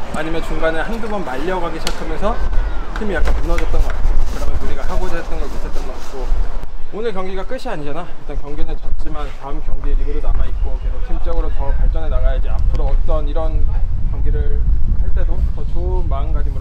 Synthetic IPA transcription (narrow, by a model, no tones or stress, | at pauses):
aɲimjʌnt͡ɕuŋɡanɯɭhanbubʌnmaʎːʌɡaɡiɕʰatʰamjʌnsʰʌt͡ɕʰimijak͈anmunʌd͡ʑʌt̚t͈ʌnɡʌk͈at̚t͡ɕ͈ʰemkɯɾʌmjʌnuɾiɡahaɡod͡ʑaɦet͈ʌnɡʌɭkisʰet͈ʌnɡʌʌtk͈o | onɯɭkjʌŋɡiɡak͈ɯɕʰiaɲid͡ʑanat͈ʌnkjʌŋɡinɯnt͡ɕʌt̚t͡ɕ͈imantaɯmkjʌŋɡieiɡɯɾonamait̚k͈okɯɾesʰʌt͡ɕimt͡ɕ͈ʌɡɯɾotʌpaɭt͡ɕ͈ʌnenaɡajaid͡ʑea̰pʰɯɾoʌt͈ʌniɾʌnkjʌŋɡiɾɯɭaɭt͈e̞dotʌt͡ɕomanɡad͡ʑimu